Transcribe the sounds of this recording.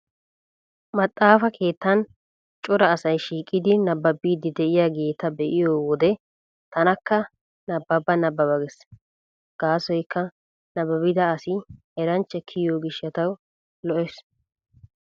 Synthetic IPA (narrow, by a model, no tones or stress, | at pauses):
mɐt̪ʼːaːfɐkʰe̞ːt̪ːɐn | t͡ʃʼʊɾɐːsɐjʃiːkʼːɪd̪ɪnɐbːɐbːiːd̪ɪd̪ɛʔɪjaɡe̞ːt̪ːɐbɛʔɪjoːwɔd̪ɛ | t̪ɐnɐkːɐ | nɐbːɐbːɐnɐbːɐbɐɡɛs | ɡ̥aːsɔjkːɐ | nɐbːɐbɪd̪ɐːsɪ | ɛɾɐnt͡ʃːɛkʰɪjoːɡɪʃːɐt̪ɐw | lɔʔɛs